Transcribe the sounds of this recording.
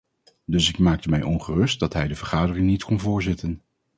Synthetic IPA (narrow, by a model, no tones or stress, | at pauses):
dɵsɪkmaːk̚təmɛjʔɔnχərɵst̚dɑtɦɛjdəvəɹχaːdərɪŋnitkʰɔnvʊːɹzɪtən